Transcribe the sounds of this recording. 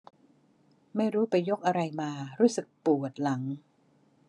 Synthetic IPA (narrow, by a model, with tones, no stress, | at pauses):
ma˥˩jɾuː˦˥pa˧jːo˦˥k̚ʔa˧ɾa˧jmaː˧ɾuː˦˥sɯ˨˩k̚pu˨˩ət̪̚la˩˦ŋ